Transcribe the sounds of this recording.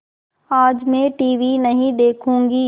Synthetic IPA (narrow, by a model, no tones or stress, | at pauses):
aːd͡ʒmẽʈiːʋinɐɦĩd̪eːkʰũːŋɡiː